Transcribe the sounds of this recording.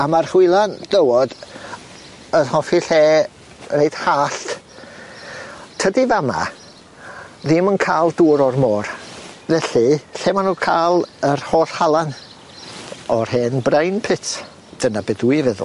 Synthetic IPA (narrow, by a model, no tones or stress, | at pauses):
amarhɪlˠand̥əwɔd̥ | ənhɔfiɬeː | rejd̥haːɬt | tʰədivama̰ | ðɪmənkʰaːlˠduːɾɔrmoːrvɛɬiɬeːmanuːkʰaːlˠərhoːɬhalˠan | ɔrɦeːnbrajnpʰɪtʰ | d̥ənabɛdwivɛðʊ̰lˠ